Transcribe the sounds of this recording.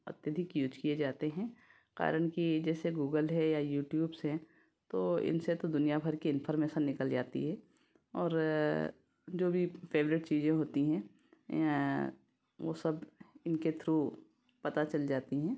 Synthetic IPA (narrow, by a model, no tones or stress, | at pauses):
ɐ̰t̪jəd̪ʱɪkjuːd͡ʒkied͡ʒaːt̪eɦɛ̃ː | ka̰ːɾəɽ̃kid͡ʒɛːseɡuːɡəlɦɛ̃jajuːʈjuːbsɦɛ̃ | t̪oːɪ̰nset̪od̪ʊnijabʱɐɾkiɪnfʰɔɾmeːʃənːɪkəld͡ʒaːt̪ḭɦɛː | ɔːɾ | d͡ʒoːbʱipʰeːʋɾɪʈt͡ʃiːzẽɦoːt̪iɦɛ̃ | ʋo̰ːsɐbɪnket̪ʰɾuː | pɐt̪at͡ʃɐld͡ʒaːt̪iɦɛ̃ː